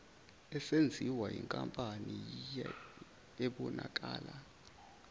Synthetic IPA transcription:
ɛsend͡zʱiwajiŋkʼampʼani | ɛɓɔnak̬ʼaːla

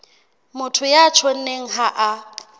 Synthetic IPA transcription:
mʊtʰʊjat͡ʃʰon̩neŋ̩ɦaʔa

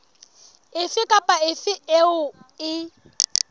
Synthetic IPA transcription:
ɪfɪkʼapʼaɪfɪeʊɪ

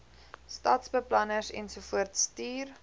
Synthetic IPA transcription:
stɑːtsbəplɐnəsɛ̰nsufuərtstiːr

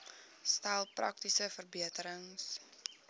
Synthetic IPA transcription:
stælˠprɐ̰k̚tisəfərbiətəɾəŋs

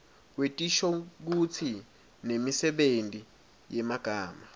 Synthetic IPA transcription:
k̬wetʼiʃɔk̬ut͡sʰi | nemisɛɓendʱʼi | jɛmaɡ̥ʱaːma

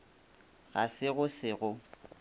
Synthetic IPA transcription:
ɣasɪɣʊsɪɣʊ

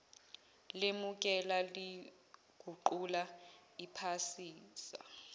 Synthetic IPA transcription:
lemuk̬ʼɛlali | ɡ̥ʱuǃulaipʰasiːsa̰

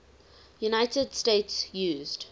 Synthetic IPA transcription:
junaɪtədstetsjuːzd̥

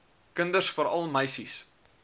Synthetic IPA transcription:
kəndərsfəɾɐlˠməjsis

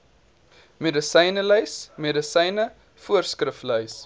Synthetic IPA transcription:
medəsəjnəlœɥsmedəsɛjnə | fuərskrəflœɥs

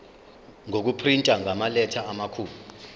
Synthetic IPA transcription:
ŋok̬upʰrintʼaŋʱamalɛtʰaamakʰuːlu

